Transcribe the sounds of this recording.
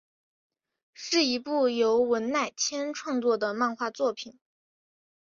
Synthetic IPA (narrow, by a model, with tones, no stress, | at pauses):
ʂɻ̩˥˩i˧˥pu˥˩jo˧˥ʊwə˧˥nna˥˩ɪt͡ɕʰjɛ˥nʈ͡ʂʰwɑ˥˧ŋt͡swɔ˥˩d̪ə˩ma˥˧nxwa˥˧t͡swɔ˥˩pʰi˨˩n